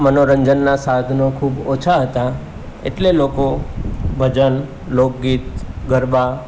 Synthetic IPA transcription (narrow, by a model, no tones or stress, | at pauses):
mənoɾəɲd͡ʒənːasad̪ʱnokʰubot͡ʃʰaɦət̪a | ḛʈlelokobʱəd͡ʒən | lok̚ɡit̪ɡəɾba